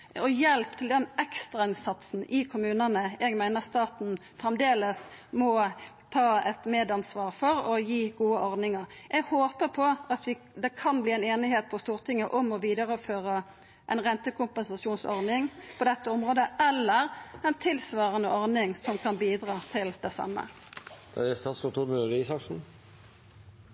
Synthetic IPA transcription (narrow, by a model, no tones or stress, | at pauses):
ɔjɛlpt̪ʰɪld̪ɛnʔɛkst̪ʁɑɪnsɑt̪sn̩ʔɪkʰʊmʉːnənəɛɡmæɪnəʁst̪ɑːt̪n̩fʁɛmd̪eːləsmɔ | t̪ʰɑːɛt̪meːd̪ɑnsʋɑːʁfɔɾɔjiːɡuːəʔɔɾdnɪŋɑɾʔɛɡhoːpəpʰɔɑt̪ʋɪ | d̪ɛkʰɑnbliːɛɪneːnɪheːt̪̚pʰɔst̪uːʁt̪ʰɪŋːəʔɔmɔʋiːd̪ɑʁəføːʁə | ʔɛnʁɛnt̪əkʊmpɛnsɑʃuːnsɔʁnɪŋpʰɔd̪ɛt̪ːəɔmʁoːd̪əɛlːəɾɛnt̪ʰɪlsʋɑːʁənəɔʁnɪŋsɔmkʰɑnbiːd̪ʁɑːt̪ʰɪld̪ɛsɑ̰mːə̰ | d̪̥ɛɛst̪ɑːt̪sɔt̪ʰuːmøːɾɪɪsɑksn̩